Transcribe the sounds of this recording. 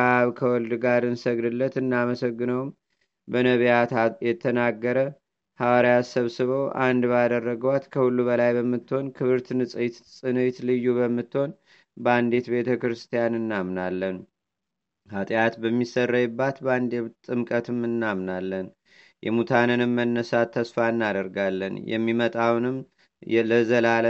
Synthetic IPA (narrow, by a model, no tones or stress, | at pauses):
aβkʰəwɔld̪ɡaɾɨnsəɡd̪ɨlːət̪ɨnːaməsəɡːɨnəwm | bənəβjat̪ajɛt̪ʰənaɡːəɾə | hawaɾijasəβsɨβəwʔand̪bad̪ərːəɡəwat̪kʰəhulːuβəlajbəmːɨt̪ːho̞nkʰɨβɨɾt̪nɨsʼɨjt̪sʼɨnɨt̪lɨjːuβəmːɨt̪ːho̞n | band̪e̞t̪be̞t̪ʰəkɾɨst̪ʰijanɨnːamnalːən | hat̪ʼjat̪bəmːisərːajɨbːat̪band̪et̪ʼːɨmkʼət̪ʰɨmɨnːamnalːən | jɛ̰mut̪ʰanɨnɨmːənːəsat̪ʰːəsfaɨnːad̪əɾɡalːə̰njɛ̰mːimət̪ʼawnɨm | ɛləzəlal